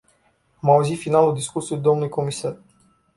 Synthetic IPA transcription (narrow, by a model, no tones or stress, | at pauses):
mawzifinalˠud̪iskusiud̪ɔmnujkɔmisaɾ